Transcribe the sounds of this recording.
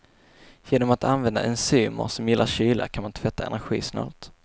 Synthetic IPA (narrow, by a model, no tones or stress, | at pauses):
jeːnɔmat̪anvɛnd̪aʔɛnsyːmə̰ɾsɔmjɪlːʔaɾɕyːlʔakʰanmant̪ʰvɛt̪ʰːaɛ̰næɾɧḭːsnɑ̰ːt̪